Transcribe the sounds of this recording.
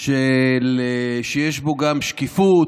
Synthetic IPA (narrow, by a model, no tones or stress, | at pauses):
ʃeleʃejeʃbo̞ɡamʃkifut